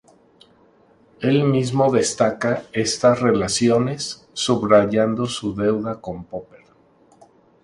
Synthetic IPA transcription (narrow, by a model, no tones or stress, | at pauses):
e̞lmizmo̞ðe̞st̪akae̞st̪asre̞lasjo̞ne̞sː | uβɾaʝand̪o̞suðe̞wðako̞mpopeɾ